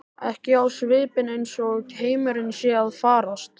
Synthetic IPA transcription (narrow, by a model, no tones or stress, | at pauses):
ɛhcɪawsvɪːpɪnejnsɔʏcheːjmʏɾɪnsjɛaðfaːɾast̪